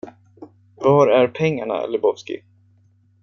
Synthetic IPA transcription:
vaːɾæɾpʰɛŋːaɳa̰lɪbɔvskɪ̰

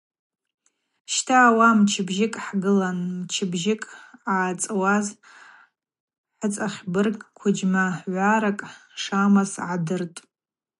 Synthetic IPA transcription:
ʃtʰaːwamt͡ʃʰɪbʒɪkʼħɡɨlanmt͡ʃʰɪbʒɪkʼaːt͡sʼwaz | ħət͡sʼaχʲbɨrkʷʰʊd͡ʒmaħʕʷaɾakʼʂamasʕadɨrtʼ

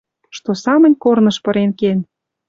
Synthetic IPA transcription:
ʃt̪osɑmə̆nʲkornɤ̆ʃpɤ̆ɾenken

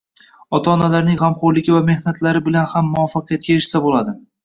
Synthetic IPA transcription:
ɒt̪ʰaːnalaɾnɪŋʁɑmqɒɾlɪɡʲɪvame̞hnat̪laɾɪbɪlanhamːʊɒfːɑqɨjat̪̚kʲaeʃsabolad̪ɪ

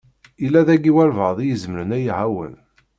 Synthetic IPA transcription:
ilːæðæɡiwælvəðˤijəzməɾənæjʕawə̰n

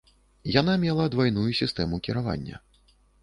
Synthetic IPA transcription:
jan̪amʲɛlˠɐd̪vajnujusʲist̪ɛmukʲiɾava̰nʲːɐ̰

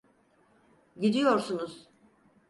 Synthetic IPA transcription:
ɟid̪ijo̞ɾsunuz̥

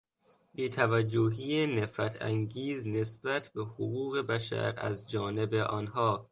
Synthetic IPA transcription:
biːt̪ʰævæd͡ʒːoɦiːenefɾæt̪ʰæ̰ŋɡiːzne̞sb̥æt̪ʰbehoɣuːɣe̞bæʃæ̰ɾæ̰zd͡ʒɒːne̞beʔɒːnɦɒː

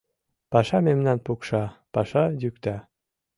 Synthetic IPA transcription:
pɑʃɑmemnɑnpukʃɑpɑʃɑjykt̪æ

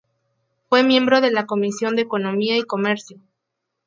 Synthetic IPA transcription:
fwe̞mje̞mbɾo̞ðe̞lako̞misjo̞nd̪eːko̞no̞miaiko̞me̞ɾsjo̞

